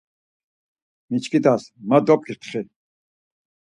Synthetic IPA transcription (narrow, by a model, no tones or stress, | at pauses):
mit͡ʃkid̪asmad̪ɔp̚kit̪ʰχi